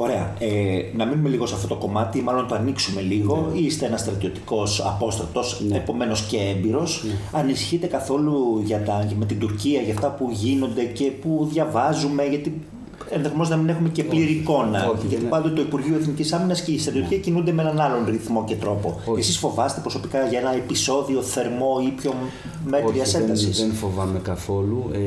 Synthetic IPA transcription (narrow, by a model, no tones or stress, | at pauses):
o̞ɾe̞ɐ̰enɐminume̞liɣo̞sɐft̪o̞t̪o̞ko̞mɐt̪imɐlo̞nt̪oɐniksume̞liɣo̞ist̪e̞enɐst̪ɾɐt̪io̞t̪i̥ko̞sɐ̰po̞st̪ɾɐt̪o̞sepo̞me̞no̞sce̞embiɾo̞sɐnisi̥çit̪e̞kɐθo̞luʝɐt̪ɐme̞t̪ind̪uɾciɐʝɐft̪ɐpuʝino̞nd̪e̞ce̞puðʝɐvɐzume̞ʝɐt̪i | enðexomenonɐminexume̞ce̞pliɾiːko̞nɐʝɐt̪ipɐnd̪ot̪oipuɾʝiueθnicisɐminɐsce̞ist̪ɾɐt̪iot̪iciɐcinund̪e̞meenɐnɐlo̞nɾiθmo̞ce̞t̪ɾo̞po̞esisfo̞vɐse̥t̪e̞pɾo̞so̞pikɐʝɐe̞nɐepiso̞ðio̞θe̞ɾmo̞ipço̞ | me̞ɾiɐseɐd̪sisenfovɐmekɐθo̞lu